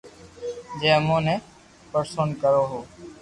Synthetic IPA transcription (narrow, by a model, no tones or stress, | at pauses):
d͡ʒeːmõːnẽː | pəɾsoːnkəɾoːɦoː